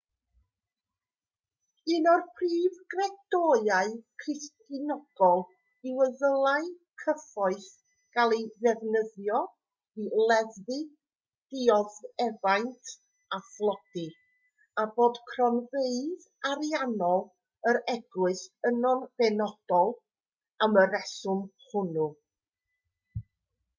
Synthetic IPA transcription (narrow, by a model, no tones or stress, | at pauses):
ɨnɔrpʰriːvɡrɛd̥ɔjaɨkʰrɪstɨnɔɡ̥ɔlˠ | ɪwəðəlˠaɨkʰəfɔɨθ | ɡ̥alˠejðɛvnəðjɔ | ilˠɛððɨ | d̥ɪɔðɛvajntʰ | aflˠɔd̥i | aboːd̥kʰrɔnveɨð | aɾjanɔlˠ | əɾɛɡwɨsənɔnbɛnɔd̥ɔlˠ | aməɾɛsʊmhʊnʊ